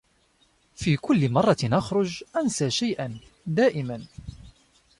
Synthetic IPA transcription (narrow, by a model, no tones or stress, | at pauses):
fiːkʊlːɪmɑrˤːɑnʔaxɾˤʊd͡ʒʔansaːʃajʔan | d̪aːʔɪman